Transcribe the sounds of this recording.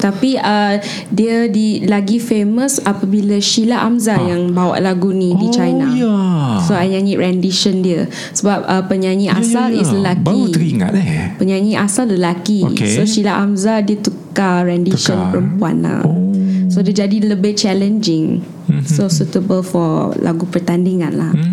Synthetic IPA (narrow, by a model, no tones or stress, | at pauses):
t̪apiə | diədilaɡifeməsapəbiləʃilaʔamzajaŋbawa̰ʔlaɡunidit͡ʃajna | soajɲãɲiʔɹɛndiʃəndiə | səbap̚əpəɲãɲĩʔa̰salisləlakiɾiŋa̰pəɲãɲiʔasalləlakiksoʃilaʔamzadiət̪ukaɹɛndiʃənppəɾəmpua̰nla̰sodiəd͡ʒadiləbɪt͡ʃɛlənd͡ʒɪŋ | sosut̪əbəlfɔla̰ɡupərt̪andiŋãnla̰h